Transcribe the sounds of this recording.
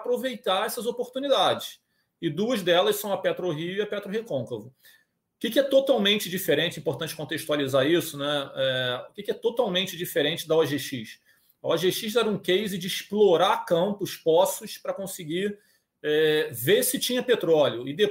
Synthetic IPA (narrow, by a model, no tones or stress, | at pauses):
pɾovejt̪aɾɛsɐzopoɾt̪unid̪ad͡ʒɪs | ɪd̪uɐzd̪ɛlɐssɐ̃w̃ɐpet̪ɾʊɦiʊiɐpɛt̪ɾʊɦekõkovʊ | ʊkikɪɛt̪ot̪awmẽnt͡ʃɪd͡ʒifeɾẽnt͡ʃɪĩpoɾt̪ɐ̃nt͡ʃɪ̥kõnt̪eʃt̪ualizaɾisʊnɛɛʊkikɪɛt̪ot̪awmẽnt͡ʃɪd͡ʒifeɾẽt͡ʃɪd̪ɐaʒeʃiʃ | ɐwaʒeʃiʃɛɾɐũkejzɪd͡ʒɪːʃploɾakɐ̃mpʊʃpɔsʊʃpɾɐkõsɪɡi | ɛvesɪt͡ʃĩɲɐpet̪ɾɔljʊɪd̪e